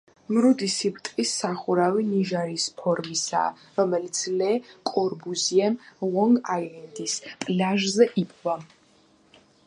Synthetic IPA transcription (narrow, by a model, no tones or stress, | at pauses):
mɾud̪isibt̪ʼkʼisaχuɾaviniʒaɾispʰɔɾmisa̰ː | ɾɔmɛlit̪sʰlɛkʼɔɾbuziɛmʁɔŋɡajlɛnd̪ispʼlaʒzɛʔipʼʰva